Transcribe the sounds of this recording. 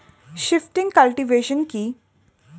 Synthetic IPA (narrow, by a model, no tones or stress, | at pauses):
ʃɪfʈɪ̃ŋɡkɐlʈiʋeːʃənki